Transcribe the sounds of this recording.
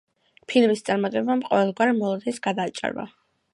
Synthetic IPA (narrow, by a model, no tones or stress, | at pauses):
pʰilmist̪sʼaɾmat̪ʼɛbamqʼɔvɛlˠɡwaɾmɔlˠad̪ɛsɡad̪aːt͡ʃʼa̰ɾba̰